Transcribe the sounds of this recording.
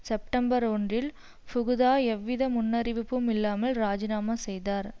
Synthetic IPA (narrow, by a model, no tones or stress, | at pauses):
sɛp̚ʈɐmbɐɾɔndrɪl | pʊɣɯðaːɛʋːɪðɐmʊnːɐɾɪʋɪpːɯmɪlːaːmɐlɾaːd͡ʒɪnaːmɐsɛjðaːɾ